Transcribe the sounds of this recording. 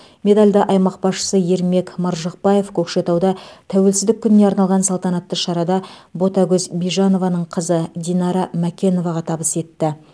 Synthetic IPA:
me̞d̪alʲd̪ɑʔɑjmɑq̚bɑsʃə̥səje̞ɾme̞kmɑɾʒɑq̚pɑje̞fkʲʰɵkʃe̞t̪ɑwd̪ɑt̪ʰæwe̞lsɪzd̪ɪkʲʰːʏnɪne̞ɑɾnɑlˠʁɑnsɑlˠt̪ɑnɑt̪ːəʃɑɾɑd̪ɑbo̞t̪ɑɡʲɵzbijʒɑno̞vɑnəɴqʰəzəd̪ʲijnɑɾɑmækʲe̞no̞vɑʁɑt̪ʰɑbəse̞t̪ːɪ

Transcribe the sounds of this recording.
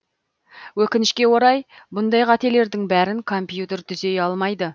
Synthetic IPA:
wɵkʲɪnɪʃkʲe̞wo̞ɾɑjbʊnd̪ɑjqʰɑt̪e̞le̞ɾd̪ɪŋbæɾɪŋkʰo̞mpjut̪e̞ɾt̪ʰʏze̞jɑlˠmɑjd̪ə

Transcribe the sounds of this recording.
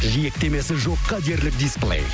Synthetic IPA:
ʒijek̚t̪e̞me̞sɪʒo̞qːɑd̪e̞ɾlɪk̚d̪isplˠḛj

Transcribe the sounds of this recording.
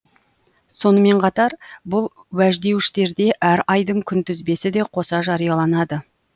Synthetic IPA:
so̞nəme̞ɴqʰɑt̪ɑɾbʊlˠ | wæʒd̪e̞wɪʃt̪e̞ɾd̪e̞ʔæɾɑjd̪əɴkʲʰʏnt̪ʏzbe̞sɪd̪e̞qʰo̞sɑʒɑɾijɑlˠɑnɑd̪ə

